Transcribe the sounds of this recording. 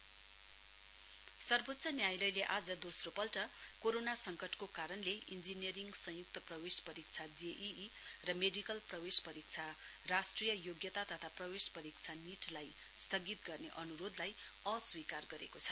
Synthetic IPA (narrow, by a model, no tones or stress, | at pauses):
sʌrbot̪ːsʰʌnjajlʌjleʔad͡zʌd̪osropʌlʈʌ | koɾonasʌŋkʌʈkokaɾʌnleind͡zinjeɾiŋɡsʌ̃juk̚t̪ʌprʌwespʌɾik̚t͡sʰad͡zeʔi | rʌmeɖikʌlprʌwespʌɾik̚t͡sʰa | rasʈrijʌjoɡjʌt̪at̪ʌt̪ʰaprʌwespʌɾik̚t͡sʰaniʈlaj | st̪ʰʌɡit̪ɡʌrneʔʌnuɾod̪laj | ʌswikarɡʌɾekot͡sʰʌ̥